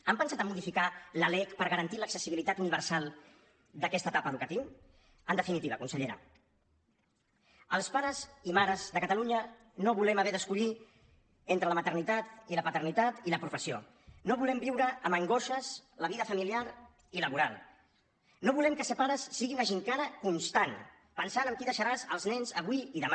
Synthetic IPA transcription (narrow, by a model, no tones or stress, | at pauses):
əmpənsat̪əmuðifikaləlɛkpəɾɣəɾənt̪iləksəsiβilit̪at̪uniβ̞əɾsalˠ | d̪əkɛst̪ət̪apəðukət̪iw | ənd̪əfinit̪iβə̰kunsəʎeɾə̰ | əlˠspaɾəzimaɾəzðəkət̪əluɲə | noβulɛməβɛðəskuʎi | ent̪ɾələmət̪ərnit̪at̪iləpət̪ərnit̪at̪iləpɾufəsio̰ | noβulɛmbiwɾəːməŋɡoʃəzləβiðəfəmiliaɾ | iləβuɾalˠ | noβulɛmkəsəpaɾəsːiɣinəʒiŋkaɾəkunst̪an | pənsanəmkiðəʃəɾazəlˠznɛnzəβwiiðəma